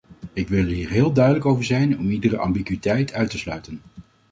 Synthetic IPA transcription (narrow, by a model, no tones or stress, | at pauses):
ɪkʋɪlˠɦiːɹɦɪːlˠdœɥdələkowvəɹzɛjnɔmidəɾəʔɑ̰mbikʋitɛjtʰœɥtəslœɥtən